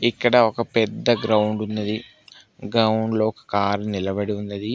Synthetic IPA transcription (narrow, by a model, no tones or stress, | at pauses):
ikːɐɽɐɔkɐpɛd̪ːɐɡɾɐwɳɖunːɐd̪i | ɡɾɐwuɳɖloːɔkɐ̥kaːɾnilɐbɐɽiunːɐd̪i